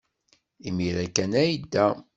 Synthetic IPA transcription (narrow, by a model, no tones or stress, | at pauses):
imiɾækːænæjd̪ːæ